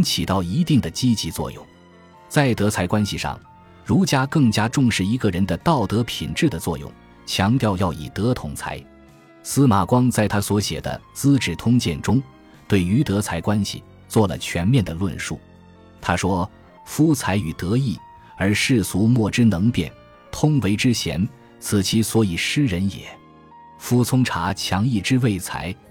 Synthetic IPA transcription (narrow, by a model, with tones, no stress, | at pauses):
ŋt͡ɕʰi˨˩t̪ɑ˥˩ʊi˧˥t̪i˥˩ŋd̪ə˩t͡ɕi˥t͡ɕi˧˥t͡swɔ̰˥˧jʊ̰˥˩ŋ | t͡sa˥˩ɪt̪ɤ˧˥t͡sʰa˧˥ɪkwa˥nɕi˨ʂɑ̰˥˩ŋ | ɻu˧˥t͡ɕja˥kɤ˥˩ŋt͡ɕja˥ʈ͡ʂʊ˥˧ŋʂɻ̩˥˩i˧˥ɡə˧ɻə˧˥nd̪ə˧t̪ɑ˥˩ʊt̪ɤ˧˥pʰi˨˩nʈ͡ʂɻ̩˥˩d̪ə˩t͡swɔ̰˥˧jʊ̰˥˩ŋ | t͡ɕʰjɑ˧˥ŋt̪jɑ˥˧ʊjɑ˥˩ʊḭ˨˩t̪ɤ˧˥t̪ʰʊ˧˥ŋt͡sʰa̰˧˥ɪ | sɹ̩˥ma˨˩kwɑ˥ŋt͡sa˥˩ɪt̪ʰa˥swɔ˧˥ɕjɛ̰˨˩d̪ə̰˦t͡sɹ̩˥ʈ͡ʂɻ̩˥˨˩t̪ʰʊ˥ŋt͡ɕjɛ˥˩nʈ͡ʂʊ˥ŋ | t̪we˥˩ɪy˧˥t̪ɤ˧˥t͡sʰa˧˥ɪkwa˥nɕḭ˨˩ | t͡swɔ˥˩lə̰˩t͡ɕʰɥɛ˧˥nmjɛ˥˩nd̪ə˩lwə̰˥˧nʂṵ˥˩ | t̪ʰa˥ʂwɔ˥ | fu˥t͡sʰa˧˥ɪy˨˩t̪ɤ˧˥i˥˩ | ə˞˧˥ʂɻ̩˥˩su˧˥mwɔ˥˩ʈ͡ʂɻ̩˥nɤ˧˥ŋpjɛ̰˥˩n | t̪ʰʊ˥ŋwe˧˥ɪʈ͡ʂɻ̩˥ɕjɛ̰˧˥n | t͡sʰɹ̩˨˩t͡ɕʰi˧˥swɔ˧˥i˨˩ʂɻ̩˥ɻə˧˥njɛ̰˨˩˦ | fu˥t͡sʰʊ˥ŋʈ͡ʂʰa˧˥t͡ɕʰjɑ˧˥ŋi˥˩ʈ͡ʂɻ̩˥we˥˩ɪt͡sʰa̰˧˥ɪ